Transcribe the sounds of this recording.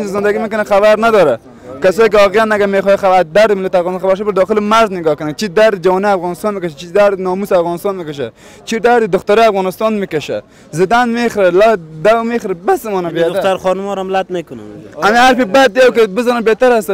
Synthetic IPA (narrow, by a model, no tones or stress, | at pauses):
nt͡ʃzɪnd̪aɡimekʊnaxaβaɾnad̪ɔɾa | kasɔːik̬ɔqijanaɡamexɔjaxaad̪aɾd̪ɪmɪlat̪afɣɔːnst̪ːnxabaɾʃbəɾd̪ɔxɪlimaɾznɪɡɔkʊnat͡ʃʰid̪aɾd̪d͡ʒawɔːnaafɣɔːnɪst̪ɔːnmɪkaʃat͡ʃizd̪aɾd̪nɔːmusafɣɔːnɪst̪ɔnmɪkaʃ̬a̰ | t͡ʃiɾd̪aɾd̪ɪd̪ʊxt̪aɾɔafɣɔnɪst̪ɔnmikɐʃa̰ | zɪd̪anmeχɾalad̪awmexɾabasɪmɔnabeed̪t̪aɾχɔnmɔɾamlat̪mekʊna̰amiaɾpibad̪̚ːjawkebɪzɔnabet̪aɾas